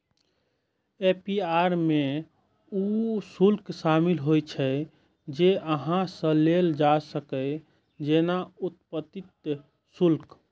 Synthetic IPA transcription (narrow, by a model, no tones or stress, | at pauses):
epiaɾme | usulksamilɦojt͡ʃʰɛ | d͡ʒeʔəɦãsə̃leld͡ʒasəkə | d͡ʒenaut̪pət̪it̪̚ | sulk